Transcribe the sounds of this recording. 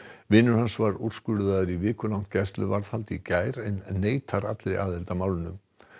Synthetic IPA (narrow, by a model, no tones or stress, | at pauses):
vɪːnʏɾ̥ɦansvaɾuɾ̥skʏɾðaðʏɾivɪːkʏlawŋ̥n̥t̪cɛjst̪lʏvaɾθhalt̪icaːjɾenːeːjt̪ʰaɾat̪lɾɪ̰ʔaðɛlt̪amaːwlɪnʏm